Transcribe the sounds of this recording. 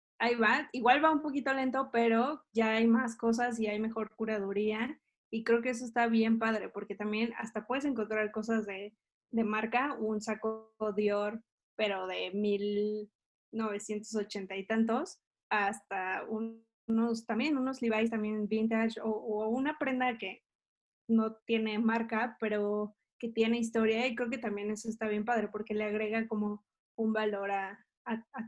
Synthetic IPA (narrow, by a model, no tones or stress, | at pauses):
ajβaiɣwalβaumpo̞kit̪o̞le̞nt̪o̞pe̞ɾo̞ʝaajmasko̞s̬as̬iajme̞xo̞ɾkuɾaðuɾia | ikɾe̞okees̬oest̪aβje̞mpaðɾe̞po̞ɾke̞t̪ambje̞na̰st̪apwe̞ð̞e̞s̬e̞ŋk̬ont̪ɾaɾko̞s̬azðe̞ | ðe̞maɾkaounsakoðjo̞ɾ | pe̞ɾo̞ðe̞mil | no̞β̞e̞sje̞nt̪os̬o̞t͡ʃe̞nt̪ajt̪ant̪̬o̞s | ast̪au | no̞s̬t̪ambje̞nuno̞zliβajs̬t̪ambje̞nvint̪at͡ʃoːunapɾe̞nd̪ake̞ | no̞t̪je̞ne̞maɾkape̞ɾo̞ | ke̞t̪je̞ne̞is̬t̪o̞ɾjaik̬ɾe̞oket̪ambje̞ne̞soes̬t̪aβ̞je̞mpaðɾe̞po̞ɾke̞le̞aɣ̞ɾe̞ɣako̞mo̞ | umbalo̞ɾaː